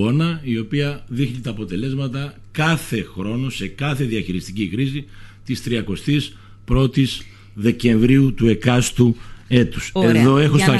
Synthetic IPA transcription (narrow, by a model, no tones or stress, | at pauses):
o̞nɐio̞piɐðixnit̪ɐːpo̞t̪e̞le̞zmɐt̪ɐ | kɐθe̞xɾo̞no̞se̞kɐθe̞ðiɐçiɾist̪icikɾisit̪ist̪ɾiɐko̞st̪is | pɾo̞t̪iz | ðe̞ce̞ɱvɾiut̪ue̞kɐst̪ue̞t̪u̥se̞ðo̞e̞xost̪ɐ